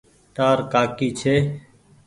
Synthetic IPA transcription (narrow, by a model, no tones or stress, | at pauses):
ʈ̪aːɾkaːkiːt͡ʃʰeː